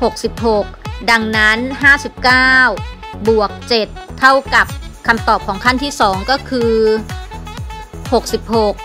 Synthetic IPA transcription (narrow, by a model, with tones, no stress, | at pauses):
ho˨˩k̚si˨˩p̚ho˨˩k̚da˧ŋna˦˥nɦaː˥˩si˨˩p̚kaː˥˩w | bu˨˩ək̚t͡ɕe˨˩t̪ʰːa˥˩wka˨˩p̚kʰa˧mt̪ɔː˨˩p̚kʰɔː˩˦ŋkʰa˥˩nt̪ʰiː˥˩sɔː˩˦ŋkɔː˥˩kʰɯː˧ | ho˨˩k̚si˨˩p̚ho˨˩k̚